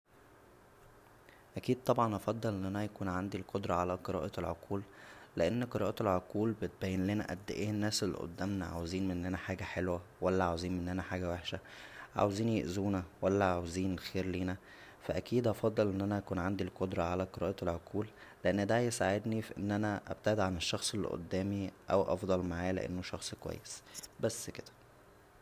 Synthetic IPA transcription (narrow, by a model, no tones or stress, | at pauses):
ʔækiːd̪̚t̪ˤːɑbʕɑnʔɑfɑd̪ˤːɑlʔenʔænæjækuːnʕand̪ilqod̪ɾˤɑʕalæqeɾɑ̰ːʔɑelʕoquːlːeʔenːqeɾɑ̰ːʔɑelʕoquːlbet̪̚bæjːenlenæʔæ̰d̪ːḛʔiːnːæːselːḛʔo̰d̪ːæmnæʕa̰weziːnmeʔnːʔænæħaːɡæħelwæwælːæʕaweziːnmeʔenːʔænæħaːɡæweħʃæʕa̰weziːnjḛʔzuːnæwælːæʕaweziːnelxeːɾliːnæ | fæʔækiːd̪ʔɑfɑd̪ˤːɑlʔenːʔænæʔækuːnʕand̪ilqod̪ɾˤɑʕalæqeɾɑːʔɑelʕoqʰuːlː | eʔenːd̪æjesaʕed̪nifiʔenːʔænæʔæ̰b̥̚t̪æʕed̪ʕaneʃːɑxsˤelːḭʔo̰d̪ːæːmiʔæ̰wʔɑ̰fd̪ˤɑlmaʕaːlḛʔḛnːoʃɑxsˤkowæ̰jːesbæsːked̪̥æ̥